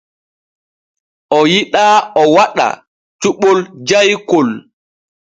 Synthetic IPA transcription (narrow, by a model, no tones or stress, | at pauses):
ʔɔjiɗaɔwaɗa̰ | t͡ʃuɓɔld͡ʒajkol